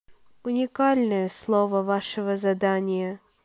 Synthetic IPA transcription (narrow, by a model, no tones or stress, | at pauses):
ʊnʲɪkalʲnəjəslˠovəvaʂɨvəzɐd̪anʲɪjə